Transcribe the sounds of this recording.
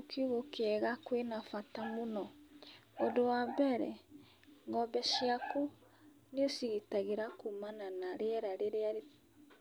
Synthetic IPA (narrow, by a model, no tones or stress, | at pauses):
okʰioɣokeɛɣakwenafatamonɔ | odowabɛɾɛ̰ | ŋɡɔbɛʃiaku | neosiɣitaɣeɾakumananaɾeɛɾaɾeɾeaɾe